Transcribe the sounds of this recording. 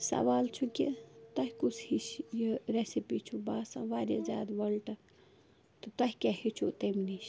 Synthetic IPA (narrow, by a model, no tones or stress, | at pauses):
sɐ̰ʋaːlt͡ʃʰukḭt̪ɐɦkut͡sʰhiʃjiɾesipit͡ʃʰubaːsã̰ʋaːɾʲezʲa̰ːd̪ʋɐlʈɐ | t̪ɨt̪ɐɦʲikʲahit͡ʃʰut̪ɐmniʃ